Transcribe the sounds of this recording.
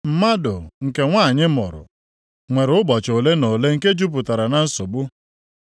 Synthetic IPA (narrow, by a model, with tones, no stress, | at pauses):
m̩˦ma˦dʊ˨ŋ̩˨ke˨ŋʷaː˦˨ɲɪ˦mɔ̰˨ɾʊ̰˨ | ŋʷe˨ɾʊ˦bɔ˨t͡ʃo˨le˦no˨le˦ŋ̩˦ke˦d͡ʒu˦p̬ʊ˨ta˨ɾa˨na˨n̩˦so˨bʊ˦